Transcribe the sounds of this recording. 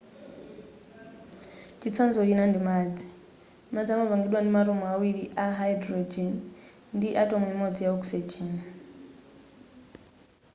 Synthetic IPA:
t͡ʃʰit͡sʰand͡zɔɦinandimad͡zi̥ | mad͡ziamavaŋɡiɗwandimaɾɔmɔawiɺiʔaɦaidɾɔd͡ʒɛn | ndiʔatʼɔmɛmɔd͡zijaɔksɛd͡ʒɛːn

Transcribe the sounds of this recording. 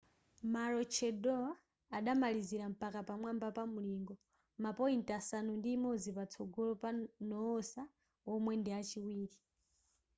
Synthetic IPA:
maɾɔt͡ʃʰɛdɔa | aɗamaliziɾam̩pakapamwambapamuliŋɡɔ | mapɔintasanundiːmɔd͡zipat͡sʰɔɡɔlɔpanɔːsa | ɔmwɛndɛat͡ʃiwiːɾi

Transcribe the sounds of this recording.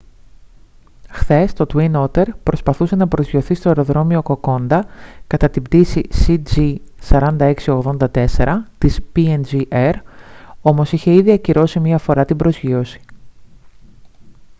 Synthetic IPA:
xθe̞st̪o̞t̪winot̪e̞ɾpɾo̞spɐθuse̞nɐpɾo̞zʝio̞θist̪o̞eɾo̞ðɾo̞mio̞ko̞ko̞nd̪ɐkɐt̪ɐt̪ibd̪isisid͡zisɐɾɐnd̪ɐe̞ksio̞ɣðo̞nd̪ɐt̪e̞se̞ɾɐt̪ispiend͡ʒiʔeɾo̞mo̞siçe̞iðiɐciɾo̞simiɐfo̞ɾɐt̪ibɾo̞zʝio̞si̥

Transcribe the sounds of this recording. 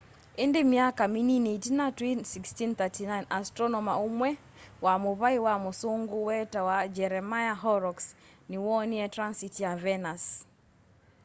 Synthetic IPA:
ɪndɪmjakamininejtinatwinsikstint̪atinajnastɾɔnɔmaumwɛ | wamʊβaiwamʊsʊŋɡʊwɛtawad͡ʒɛɾɛmajaɦɔɾɔks | nɪwɔniɛtɾansitjavɛnas

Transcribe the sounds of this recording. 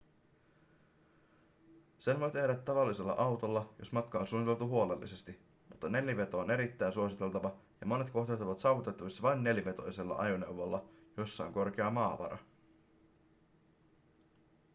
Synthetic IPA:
se̞nʋo̞jt̪e̞hdæt̪ːɑʋɑlːise̞lːɑ̰ʔɑwt̪o̞lːɑjo̞smɑt̪kɑonsunːit̪e̞lt̪uɦuo̞le̞lːḭse̞st̪i | mut̪ːɑne̞ljiʋe̞t̪o̞ːne̞ɾit̪ːæjnsuo̞sit̪e̞lt̪ɑʋɑjɑmo̞ne̞t̪ko̞ht̪elt̪ːɑʋɑt̪sɑːʋut̪e̞t̪ːɑʋisːɑʋɑinːe̞ljiʋe̞t̪o̞jse̞lːɑ̰ʔɑjone̞̰uwʋolːɑjo̞sːɑoŋko̞rk̟eɑmɑːʋɑ̰ɾɑ̰

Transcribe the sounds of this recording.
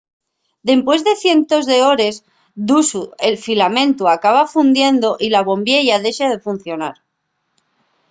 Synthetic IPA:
d̪e̞mpwe̞zðe̞θje̞nt̪o̞zðe̞o̞ɾe̞s | d̪usue̞lfilamẽ̞nt̪uakaβ̞afund̪je̞nd̪o̞ʔilaβ̞o̞mbje̞ʝaðe̞ʃaðe̞fun̟θjo̞naɾ

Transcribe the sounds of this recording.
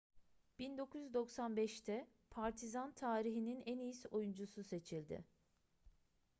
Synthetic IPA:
b̥ind̪o̞kʰuj̪yd̪o̞ksanbɛʃt̪ʰɛ | pʰaɾt̪ʰizant̪ʰaːɾiɦininɛnijiso̞jund͡ʒususe̞t͡ʃʰilʲd̪ɪ̰

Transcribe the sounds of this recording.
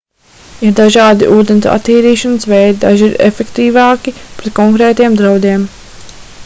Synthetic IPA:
iɾd̪aʒɑːd̪iʔuːd̪ent̪a̰t̪ːiːɾiːʃanəsvɛjd̪id̪a̰ʒiɾḛfekt̪iːvɑːkipɾɛt̪̚kɔŋkɾɛːt̪ijɛmd̪ɾawd̪iɛm

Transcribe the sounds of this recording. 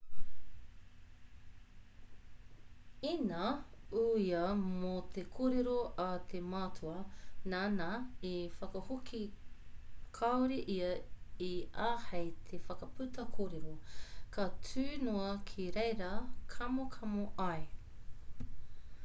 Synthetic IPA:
inɐuiɐmot̪ʰekʰoɾeɾoʔɐt̪ʰemaːtʰuɐnaːnaifɐkɐhukʰi | kʰɐwɾiʔiɐiaːhejt̪ʰefɐkɐpʉtɐkʰoɾeɾokʰɐtʰʉːnoɐkʰiɾejɾɐkʰɐmokʰɐmoʔɐj

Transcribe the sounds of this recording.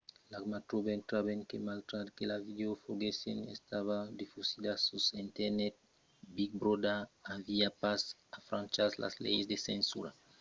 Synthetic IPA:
lakmat̪ɾobent̪ɾaβenkemalt̪ɾat̪kelavid̪eofoɡesḛnḛst̪aβad̪ifusid̪asusent̪eɾnɛt̪̚ | bik̚bɾod̪aaviapas | afɾãnt͡ʃasla̰zlḛjzd̪esensṵɾa̰

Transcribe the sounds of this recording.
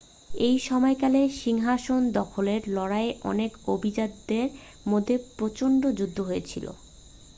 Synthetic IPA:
ejʃɔmɔekaleʃiŋɦaʃond̪ɔkʰoleɾlɔɽaeʔɔ̰nekobʱid͡ʑad̪d̪eɾ | mod̪ʱːepɾot͡ɕoɳɖod͡ʑud̪ʱːoɦoet͡ɕʰḭlo̰

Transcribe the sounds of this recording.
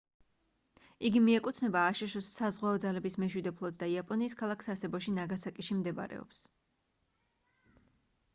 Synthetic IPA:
iɡimiɛkʼut̪ʰnɛbaːʃɛʃɔsazʁwaɔd̪zalɛbismɛʃwid̪ɛpʰlˠɔd̪̚d̪aiapʼɔniːskʰalˠakʰsasɛbɔʃinaɡat̪sʰakʼiʃimd̪ɛba̰ɾɛ̰ɔ̰ps

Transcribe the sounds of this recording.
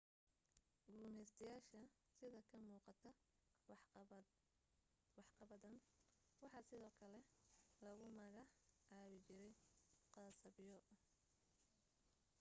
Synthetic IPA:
ɡuːmɛːst̪ʰɐjaːʃɐ | sɪðɐkʰɐmuːqɑt̪ʰɐ | wɑħqɑβɐðɐnwɑħɑsɪðɔːkʰɐlɛlɐɣʊmɐɣɑħʕɑːβɪt͡ʃɪɾɛjqɑsɐβɪjɔ

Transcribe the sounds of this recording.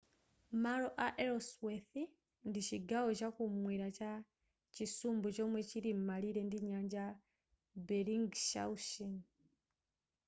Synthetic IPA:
maɾoʔaʔeɾosweθi | ndiʃiɡawoʃakumwiːɾaca | cisuːmbut͡ʃomweciɾimmaliɾe̞ndiɲaːɲɟa | beɾiŋɡʃa̰uʃin

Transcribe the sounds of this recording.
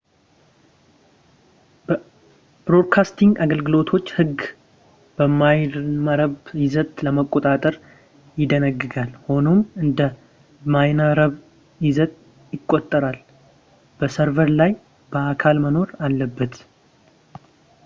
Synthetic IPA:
b̥ɾo̞d̪kʰast̪ʰiŋɡaɡəlɡɨlo̞t̪ʰo̞t͡ʃːhɨɡ | b̥əmajməɾəβjɪzət̪ʼləməkʼːot̪ʼat̪ʼəɾ | jɪd̪ənəɡːɨɡalho̞no̞mɨnd̪ə | majnəɾəβ | jɪzət̪̚ʼ | jɪkʼːot̪ʼːəɾal | b̥əsəɾvəɾlaj | b̥əakʰalməno̞ɾalːəbːət̪

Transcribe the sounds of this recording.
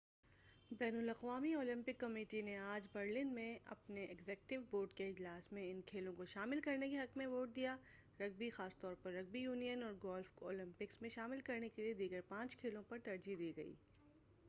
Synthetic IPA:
bɛːnʊlɐqʋaːmioːlɪ̃mpɪkːɐmeːʈineaːd͡ʒbɐɾlɪnmẽɐ̰pneɛɡzɛːk̚ʈɪʋboːɾɖkeɪd͡ʒlaːsmẽɪnkʰeːlõkoʃaːmɪlkɐɾnekeɦɐkmẽʋoːʈ̚d̪ijaː | ɾɐɡ̚bixaːst̪ɔːɾpɐɾːɐɡ̚bijuːnijənɔːɾɡɔːlfko̰ːlɪ̃mpɪksmẽʃaːmɪlkɐɾnekelied̪iːɡəɾpãːt͡ʃkʰeːlõpɐɾt̪ɐɾd͡ʒid̪iːɡɐḭː

